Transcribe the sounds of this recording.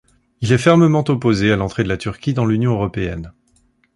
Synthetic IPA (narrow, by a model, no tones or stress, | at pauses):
ilɛfɛʁməmɑ̃t̪ɔpozealɑ̃t̪χed̪əlat̪ʰyʁkʲid̪ɑ̃lynjɔ̃øʁɔpeɛ̰n